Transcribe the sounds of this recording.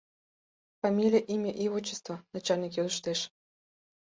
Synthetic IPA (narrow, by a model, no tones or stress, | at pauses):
famʲilʲijəʔimʲəʔiβot͡ɕːə̥st̪vonɑt͡ɕɑlnikjød̪əʃt̪eʃ